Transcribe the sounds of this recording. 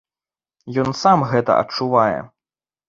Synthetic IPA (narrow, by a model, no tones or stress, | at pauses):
jɔnsamɣɛt̪ɐ̰ʔɐ̰t͡ʂuvajɛ̰